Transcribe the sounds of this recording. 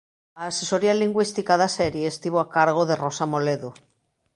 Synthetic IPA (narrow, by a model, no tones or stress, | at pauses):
aːseso̞ɾialiŋɡwist̪ikaðaseɾjeːst̪iβ̞oakaɾɣ̞oðe̞ro̞samo̞leðu